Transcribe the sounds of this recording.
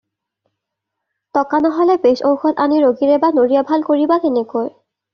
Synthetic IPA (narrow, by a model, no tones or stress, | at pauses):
tɔkanaɦɔlɛbesowxɔtaniɹoɡiɹɛbanoɹijabʱalkoɹibatenekoj